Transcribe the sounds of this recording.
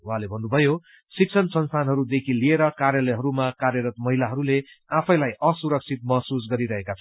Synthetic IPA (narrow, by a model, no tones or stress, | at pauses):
wuɦãlebʱʌnːubʱʌjo | sik̚sʰʌnsʌnst̪ʰanɦʌɾud̪ekʰilieɾʌkarjʌlʌjɦʌɾumakarjʌɾʌt̪mʌɦilaɦʌɾule | apʰʌj̃lajʌsuɾʌk̚t͡sʰit̪̚mʌɦsus̬ɡʌɾiɾʌɦekat͡sʰʌ